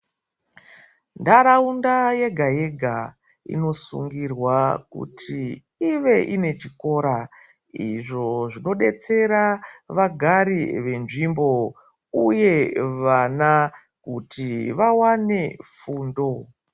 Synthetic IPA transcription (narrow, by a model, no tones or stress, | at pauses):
ndaɾaundaje̞ɡʱaje̞ɡʱa | ḭno̞sṵŋɡirwakṵtʰi | iʋe̞ʔine̞t͡ʃiko̞ːɾa | iʐo̞ʐino̞ɗe̞t͡se̞ɾaʋaɡʱaɾiʋe̞nʐimbo̞ | uje̞ʋana | kutiʋawane̞fuːndo̞